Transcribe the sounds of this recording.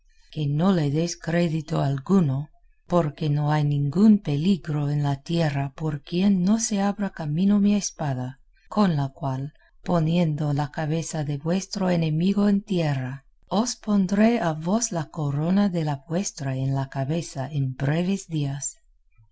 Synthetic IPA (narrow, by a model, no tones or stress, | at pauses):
keno̞leðeskɾeðit̪oalɡuno | po̞ɾkeno̞ajnĩŋɡumpe̞liɣɾo̞enlat̪jerapoɾkjenːo̞se̞aβɾakamino̞miaespaða | kʰo̞nlakwal | po̞nje̞nd̪olakaβe̞saðe̞βwe̞st̪ɾoenemiɣoent̪jera | ospo̞nd̪ɾeaβo̞slakoɾo̞naðe̞labwe̞st̪ɾaenlakaβe̞saenbɾeβezd̪ias